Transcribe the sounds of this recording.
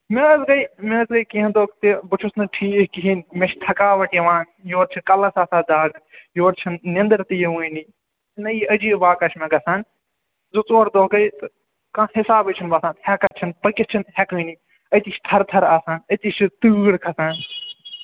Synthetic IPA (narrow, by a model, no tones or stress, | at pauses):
meɐzɡɐjmezɡɐjkiɦɐ̃d̪oːɡt̪ebɨt͡ʃʰusnɨʈʰiːkiɦinmʲeʃt̪ʰɐkaːʋɐʈjɐʋaːn | joːɾt͡ʃʰikɐlɐsaːsaːd̪aːɡjoːɾt͡ʃʰinːẽnd̪ɐɾt̪ɨjɐʋɨːni | nɐjɐd͡ʒiːbaːkɐʃmẽɡɐsaːn | zoːt͡soːɽd̪oːɡɐjt̪ɨ | kãːɦɪsaːbɨt͡ʃʰinbɐsaːnhɛkɐɾt͡ʃʰinpɐkʲist͡ʃʰinhʲɛkɨːni | ɐt̪it͡ʃʰt̪ʰɐɾt̪ʰɐɾaːsaːnɐt̪it͡ʃit̪ɨːɽkʰɐsaːn